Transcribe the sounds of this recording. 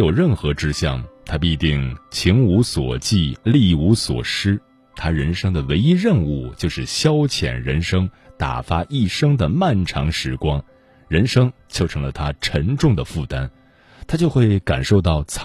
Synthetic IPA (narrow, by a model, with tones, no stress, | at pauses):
jo˨˩ʊɻə˥˩nxɤ˧˥ʈ͡ʂɻ̩˥ɕjɑ˥˧˩ŋt̪ʰa˥p̬i˥˧t̪i˥˩ŋt͡ɕʰi˧˥ŋu˧˥swɔ̰˨˩t͡ɕi˥˧li˥˩u˧˥swɔ̰˨˩ʂɻ̩˥ | t̪ʰa˥ɻə˧˥nʂɤ˥ŋd̪ə˨we˧˥ɪi˥ɻə˥˧nu˥˧˩t͡ɕjo˥˧ʊʂɻ̩˥˩ɕjɑ˥ʊt͡ɕʰjɛ̰˨˩nɻə˧˥nʂɤ˥ŋ | t̪a̰˨˩fa˥ʔi˥˩ʂɤ˥ŋd̪ə˨ma˥˩nʈ͡ʂʰɑ̰˧˥ŋʂɻ̩˧˥kwɑ˥ŋ | ɻə˧˥nʂɤ˥ŋt͡ɕjo˥˩ʊʈ͡ʂʰɤ˧˥ŋlə˧t̪ʰa˥ʈ͡ʂʰə˧˥ŋʈ͡ʂʊ˥˩ŋd̪ə˩fu˥˩t̪a˥n | t̪ʰa˥t͡ɕjo˥˧xwe˥˩ɪka˨˩nʂo˥˧ʊt̪ɑ˥˩ʊt͡sʰ